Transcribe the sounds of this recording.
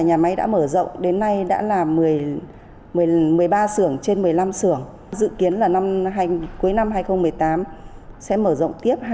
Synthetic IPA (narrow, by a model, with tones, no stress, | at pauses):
ɲaː˨˩ma˨˦jɗa̰ː˧˥məː˧˩zə̰˧˨wŋ͡mɗe˨˦nːa˧jɗa̰ː˧˥laː˨˩mɨ˨˩əj | mɨ˨˩əjmɨ˨˩əjɓaː˧sɨ˧˩əŋt͡ɕe˧nmɨ˨˩əjla˧msɨ˧˩əŋ | zɨ̰˧˨ki˨˦ənlaː˨˩na˧mɦaː˧jku˨˦əjna˧mhɦaː˧jxə˧wŋ͡mmɨ˨˩əjt̪aː˨˦msɛ̰˧˥məː˧˩zə̰˧˨wŋ͡mt̪i˦˥əp̚ha˧